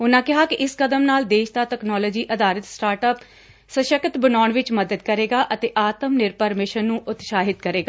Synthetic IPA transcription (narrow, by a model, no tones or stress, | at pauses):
ɦʊnãːkɪɦaːkɪʔɪskəd̪əmnaːld̪eːʃd̪aːtɛːknɔːloːd͡ʒiːʔəd̪aːɾət̪sʈaːɾʈəp | səʃəkət̪bənaːɳʋɪt͡ʃməd̪əd̪̚kəɾeːɡaːʔət̪eːʔaːt̪əmnɪɾpəɾmɪʃənːũːʔʊt̪ʃaːɦɪt̪kəɾeːɡaː